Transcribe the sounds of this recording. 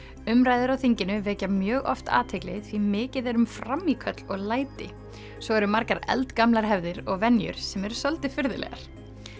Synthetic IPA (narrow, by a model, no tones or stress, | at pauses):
ʏmɾaːjðɪɾawθiɲcɪnʏvɛːcamjœːɣɔ̰ft̪a̰ːt̪ʰɪjklɪ̰θvimɪːcɪðɛɾʏmfɾamːikʰœt̪lɔɣlaːjt̪ɪ | svɔɣɛɾʏmaɾkaɾɛ̰lt̪kamlaɾ̥ɦɛvðɪɾɔɣvɛnjʏ̰ɾ̥sɛmɛɾ̥sœlt̪ɪfɪɾðɪlɛ̰ɣa̰ɾ̥